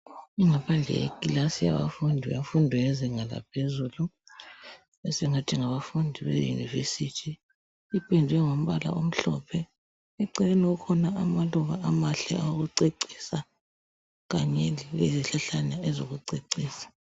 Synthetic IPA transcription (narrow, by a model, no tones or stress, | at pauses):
iŋapʰand͡ɮʱɛ̰ḛkʼilasija̰βa̰fundʱijafundʱijɛzɛŋala̰pʰezuːlu | ɛsɛŋatʰiŋaβafundʱiβḛjṵnḭvḛsitʰiː | pʼindʱwɛŋom̩βala̰ʔom̩ɬɔ̰pʰɛ | ɛǀɛɛnukʰɔnaamaluɣa̰ʔamaɬɛaoɣuǀeǀi̥ːsa | ɣaɲɛlleziɬaɬanaɛzoɣuǀeǀiːsḁ